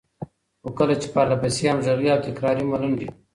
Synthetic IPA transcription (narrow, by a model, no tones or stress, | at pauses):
xokəlat͡ʃe̥paɾlapasiamʒaɣiawt̪ɪkɾɑɾimalund̪i